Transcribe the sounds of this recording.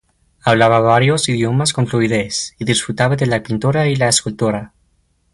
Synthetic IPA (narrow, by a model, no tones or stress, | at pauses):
aβlaβaβaɾjo̞siðjo̞masko̞nfluiðesiðisfɾut̪aβaðelapint̪oɾailaeskult̪oɾa